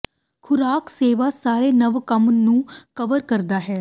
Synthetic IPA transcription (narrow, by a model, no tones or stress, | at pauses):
kʰʊɾaːkseːʋaːsaːɾeːnəʋkəmnũːkəʋəɾkəɾd̪aːɦɛː